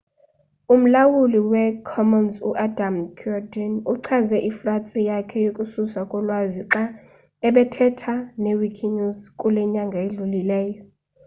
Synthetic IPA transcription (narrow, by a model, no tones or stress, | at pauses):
um̩lawuliwɛkʰɔmɔnzṵʔadʱamkʰɔdɛnuǀʰazɛʔifrat͡sʼijakʰɛjokʼususakʼɔlwaziǁa | ɛɓɛtʰɛtʰanewikʰiɲuzkʼulɛɲaŋɡʱaeɮulilɛːjɔ